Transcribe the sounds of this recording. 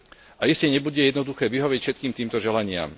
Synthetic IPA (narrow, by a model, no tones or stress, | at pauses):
ajɛscɛɲɛbuɟɛjɛd̪nɔd̪uxɛːʋiɦɔʋɪɛcfʃɛt̪kiːmt̪iːmt̪ɔʒɛlaɲɪa̰m